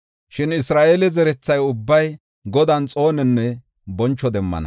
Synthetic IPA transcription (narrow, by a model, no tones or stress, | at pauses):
ʃɪnɪsɾaːʔeːlɛzɛɾɛt͡sːɐjʊbːɐj | ɡɔd̪ɐnt͡sʼo̞ːnɛnːɛ | bɔnt͡ʃːɔd̪ɛmːɐ̰nɐ̰